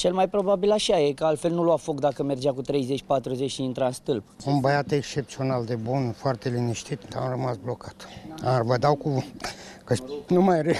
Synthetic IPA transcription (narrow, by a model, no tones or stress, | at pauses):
t͡ʃe̞lmajpɾo̞babilaʃajekəalt̪fe̞lnuloafo̞kd̪akəme̞rd͡ʒakut̪ɾe̞jze̞t͡ʃʲpat̪ɾuze̞t͡ʃʃiint̪ɾaɨnst̪ɨlp̚unbəjat̪ekst͡ʃe̞p̚t̪sio̞nald̪e̞bunfoart̪e̞liniʃt̪it̪d̪a̰mrəmasblo̞kḁt̪avəd̪awku | kənumajɾe